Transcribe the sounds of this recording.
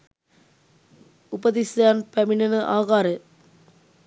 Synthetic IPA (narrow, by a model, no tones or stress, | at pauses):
upɐd̪isjaːnpæminɐnəʔaːɡaːɾə